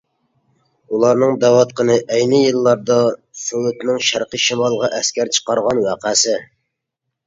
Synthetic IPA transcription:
ulˠɑɾnɨŋd̪æwɑt̪̚qʰənɨʔɛjnɪjɨlˠːɑɾd̪ɑsøwut̪nɪŋʃæɾqəʃimɑlˠʁɑʔɛskʲʰæɾt͡ʃʰə̥qɑɾʁɑnwæqæːsɪ

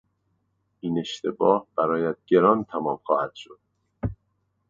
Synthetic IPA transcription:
ʔiːne̞ʃt̪ʰe̞bɒːhb̥æɾɒːjæd̪̥̚ɡe̞ɾɒːnt̪ʰæmɒːmxɒːhæd̪̥ʃod̪̥̚

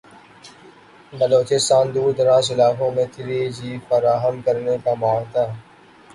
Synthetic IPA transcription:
bəloːt͡ʃɪst̪aːnd̪uːɾd̪əɾaːsɪlaːkõmẽt̪ʰɪɾed͡ʒiːfəɾaːɦəmkəɾnekamaːɽt̪aː

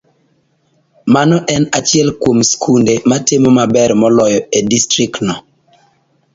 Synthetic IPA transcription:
manɔʔɛnat͡ʃɪɛlkwomskʰundematɪmɔmabɛɾmɔlɔjɔedistɾiknɔ

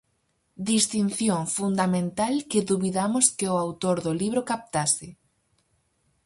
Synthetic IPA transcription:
d̪ist̪inθjoŋfund̪amẽnt̪alkɪðuβiðamʊskɪʊawt̪oɾðʊliβɾʊkap̚t̪asɪ

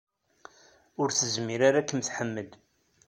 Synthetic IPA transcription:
ʊɾθəzmiɾaɾakːəmθħəmːəd̪

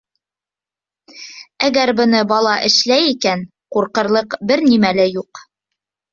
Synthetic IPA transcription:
æɡæɾbɤ̆nɤbɑlˠɑʔɘ̆ʃlæjikæn | quɾqɤ̆ɾlˠɤqbɘɾnimælɘjuq

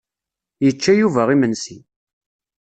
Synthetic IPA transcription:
jət͡ʃːæjuvæʁimənsi

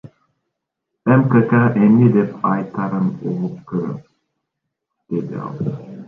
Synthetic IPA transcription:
ɛmkəkaʔemnid̪ɛpʰɑjt̪ʰɑɾɯno̰lˠup̚kʰɯɾɯ̰ | d̪̥ed̪ḭɑ̰lˠ

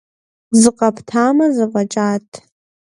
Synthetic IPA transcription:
zɨqʼapʰtʰamazɨvat͡ʃʼatʼ

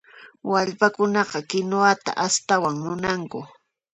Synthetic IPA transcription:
waʎpakʊnɑqɑkɪnoat̪a̰ʔast̪awaŋmʊnaŋkʊ

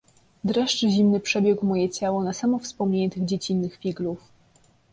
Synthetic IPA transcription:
d̪ɾɛʂt͡ʂɘʑimnɘpʂɛbʲjɛɡwmɔjɛt͡ɕawɔnasamɔfspɔmɲeɲɛt̪ɘɣd͡ʑet͡ɕinːɘxfʲiɡluf

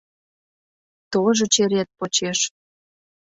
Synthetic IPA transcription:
t̪oʒot͡ɕeɾet̪̚pot͡ɕeʃ

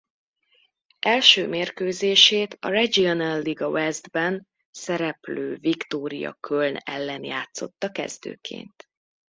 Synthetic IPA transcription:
ʔɛlʃøːmeːrkøːzeːʃeːt̪ɒ̰rɛd͡ʒionɛlːiɡɒwɛzd̪bɛn | sɛɾɛpløːvikt̪oːɾḭjɒ̰kʰølnɛ̰lːɛnjaːt̪so̞̰t̪ːɒkɛ̰zd̪ø̰ːkʰḛːnt̪

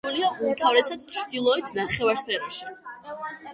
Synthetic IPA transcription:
uliaunt̪ʰavɾɛsad̪̥t͡ʃʰɾd̪ilˠɔɛt̪ʰnaχɛvaɾspʰɛɾɔʃi̥

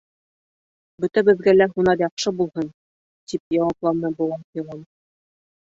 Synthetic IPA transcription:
bɵ̆t̪æbɘ̆ðɡælæɦunɑɾjɑqʃɤbulˠhɤn | t̪ip̚jɑwɑplˠɑnɤbŏwɑnfilˠon

